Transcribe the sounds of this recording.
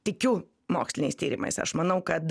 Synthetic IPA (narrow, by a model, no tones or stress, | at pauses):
t̪ʲɪkʲʊ | mɑ̰ːksʲlʲɪnʲḭːst̪ʲiːɾʲḭːmɐ̰jsɐ̰ʃmɐnɐwkɐd̪